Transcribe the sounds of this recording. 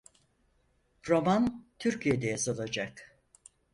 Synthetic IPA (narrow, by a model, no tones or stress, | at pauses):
ɾo̞mant̪ʰyɾcʰijed̪ɛjazalˠad͡ʒak